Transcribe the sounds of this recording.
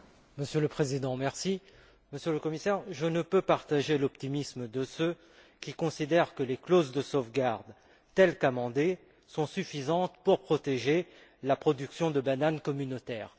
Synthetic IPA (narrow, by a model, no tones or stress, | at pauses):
məsjøləpχezid̪ɑ̃mɛʁsi | məsjələkɔmisɛʁʒənəpøpaʁt̪aʒelɔpt̪imisməd̪əsø | kʲikɔ̃sid̪ɛʁkəleklozd̪əsofɡaʁd̪ | t̪ɛlkamɑ̃d̪e | sɔ̃syfizɑ̃t̪puʁpχɔt̪eʒe | lapχɔd̪yksjɔ̃d̪əbanankɔmynot̪ɛːʁ